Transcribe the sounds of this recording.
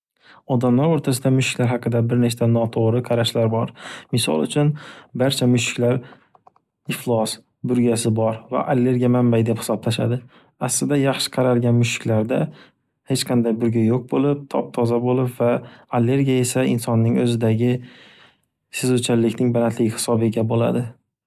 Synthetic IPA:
ɒd̪amlaɾoɾt̪ʰas̬ɪd̪amʊʃɪ̥kʲlaɾɦɑqʰɨd̪abɪɾne̞t͡ʃt̪ʰanɒt̪ʰoʁɾɪqʰɑɾaʃlaɾbɒɾmɪsɒ̰lˠʊ̰t͡ʃʰʊnbaɾt͡ʃʰamʊʃɪ̥kʲlaɾ | ɪflˠɒs | bʊɾɡʲasɪbɒɾva̰ʔalːe̞ɾɡʲiamambajd̪ephɪ̥sɒp̚lʰaʃa̰d̪ɪ | aslɪd̪ajɑχʃɪ̥qʰɑɾalɡʲanmʊʃɪ̥kʲlaɾd̪a | he̞t͡ʃqʰɑnd̪ajbʊɾɡʲajoq̚bolˠɪp̚t̪ʰɒ̰p̚t̪ʰɒzabolɪpvaːlːe̞ɾɡʲiae̞saɪnsɒnːɪŋɵzɪd̪aɡʲɪ | sɪzʊt͡ʃʰalːɪkʲnɪŋbalant̪ʰlɪɡʲɪhɪ̥sɒbɪɡʲabola̰d̪ɪ

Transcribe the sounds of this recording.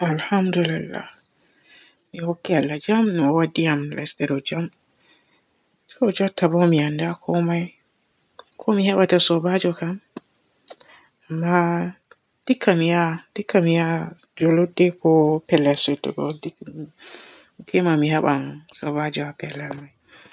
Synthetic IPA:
ʔalhamdulilːa̰ | mihokːialːad͡ʒamnɔwadːijamlʔa̰stɛɾɔd͡ʒam | sɔd͡ʒɔtʰːabɔmiandakʰɔmaj | kʰɔmihɛɓatasɔbad͡ʒɔkam | amːa | d̥ikʰːamijad̥ikʰːamijad͡ʒɔlodɛkɔpɛlːastɛtːɔ̰bɔ̰di | tʰɛmamiɦɛɓansɔbad͡ʒɔapɛlːamaj

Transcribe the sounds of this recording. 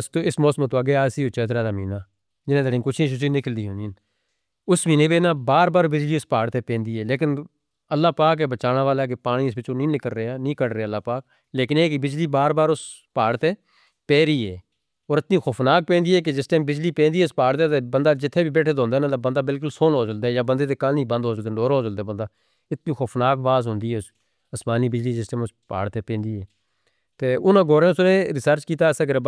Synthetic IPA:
st̪õːɪsmɔːsmt̪̬õːaɡeaːsiːot͡ʃɛːt̪ɾaːd̪aːmiːnaː | d͡ʒɪnẽːd̪əɾĩːkʊt͡ʃʰĩːʃ̬ʊt͡ʃĩːnɪkəld̪iːɦʊ̃nd̪iːn | ʊsmiːneːbeːnãːbaːɾbaːɾbɪd͡ʒliːʊspaːɽt̪eːpẽːnd̪iːɦɛːleːkɪn | əlːaːpaːk̬eːbət͡ʃaːnaːʋaːlaːɛk̬epaːɽ̃iɪsbɪt͡ʃõːnĩːnɪkəlɾeaːnĩːkəɽɾeeːlːaːpaːk̚ | leːkɪneːkibɪd͡ʒliːbaːɾbaːɾʊs | paːɽt̪eː | pɛːɾiːɛː | oːɾɪt̪nĩːxʰoːpʰnaːk̚pẽːnd̪iːɛːk̬ed͡ʒɪsʈaːmbɪd͡ʒliːpẽːnd̪iːɛʊspaːɽt̪eːt̪eːbənd̪aːd͡ʒɪt̪ʰːeːbʱiːbeːʈʰeːd̪õːnd̪eːnãːt̪abənd̪aːbɪlk̬ʊlsoːnɦoːd͡ʒəld̪aːjaːbənd̪eːt̪eːkaːnĩːbə̃nd̪ɦoːd͡ʒəd̪eːoːɾɦoːd͡ʒəld̪aːbə̃nd̪aː | ɪt̪nĩːxoːpnaːkbaːzɦʊ̃nd̪iːɛːʊs | əsmaːniːbɪd͡ʒliːd͡ʒɪsʈɛːmʊspa̰ːɽt̪eːpẽːnd̪iːɦɛː | t̪eːʊnãːɡoːɾẽːʊsnẽːɾɪsəɾt͡ʃkiːt̪aːsəɡəɾ

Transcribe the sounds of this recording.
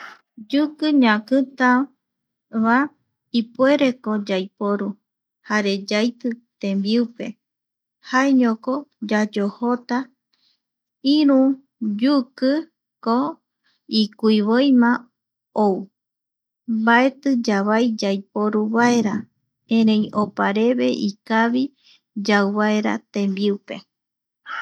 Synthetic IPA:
d͡ʒukɨɲãkɨt̪a | βa | ipue̞ɾekod͡ʒajpoɾu | haɾe̞d͡ʒajt̪ɨt̪ẽ̞mbiupe̞ | haeɲõkod͡ʒad͡ʒohot̪a | iɾũ | d͡ʒukɨ | ko | ikuiβojmã | ou | mbae̞t̪ɨd͡ʒaβajd͡ʒajpoɾuβae̞ɾa | ẽɾẽ̞j̃opaɾe̞βe̞ʔikaβi | d͡ʒawβaeɾa̰t̪ẽ̞mbiupe̞

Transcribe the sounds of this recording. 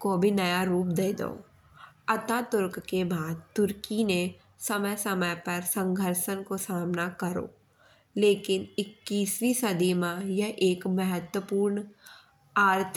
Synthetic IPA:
kobʱinɐjaɾuːp̚d̪eːd̪o̰ː | ɐt̪aːt̪ʊɾkkebaːd̪̚t̪ʊɾkine | sɐməjsɐməjpɐɾsə̃ŋɡʱəɾʃənkosaːmnakɐɾo̰ː | leːkɪnɪkːiːsʋisɐd̪imajɐɦʔeːkmɐɦət̪wəpuːɾn | aːɾt̪ʰ

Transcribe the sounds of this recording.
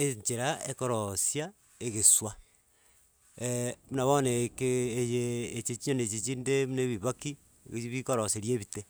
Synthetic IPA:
eɲt͡ʃeɾaekoɾosja | eɣeswa | munaβonekeːjeːt͡ʃet͡ʃiɲonet͡ʃit͡ʃindemneβiβaki | βikoɾoseɾjeβite

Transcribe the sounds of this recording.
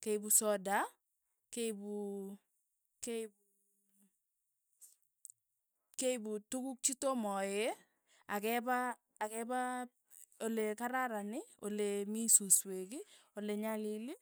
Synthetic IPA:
kejbusɔda | kejbu | kebu | keibutukuk̚t͡ʃitomɔje | akɛbaː | kɛba | olekaɾaɾanɪo̰lemisuswek̬ioleɲalili

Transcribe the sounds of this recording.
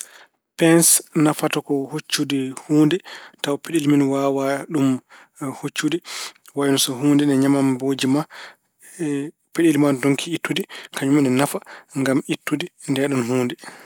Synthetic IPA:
pɛnsnafatɔkɔhot͡ʃːudihuːndɛtawpeɗilminwaːwaɗum | hot͡ʃːudiwajnɔsɔɦuːndɛnɛɲamamboːd͡ʒima | peɗilimandoŋkʰiitːudikʰaɲumɛnɛnafaŋɡamitːudindɛɗɔnɦuːndɛ

